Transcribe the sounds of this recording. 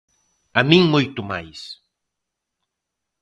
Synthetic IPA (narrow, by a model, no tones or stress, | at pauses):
amĩŋmojt̪ʊmajs